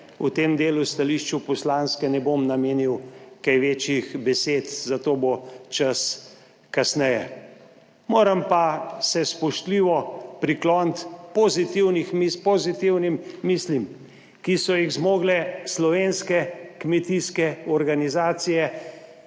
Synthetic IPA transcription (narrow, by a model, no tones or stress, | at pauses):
ut̪eːmd̪eːlust̪aliʃt͡ʃupɔslanskɛnɛbomnameːniwkajʋet͡ʃjixbɛseːt̪zat̪oːbot͡ʃas | kasnɛjɛ̰ | moːɾɐmpasɛspɔʃt̪liːʋɔpɾiklɔːnt̪pozit̪iwnixmipozit̪iwnimːislim | kisɔjiɣzmoːɡlɛslɔʋenskɛkmɛt̪iskɛɔɾɡanizaːt̪sijɛ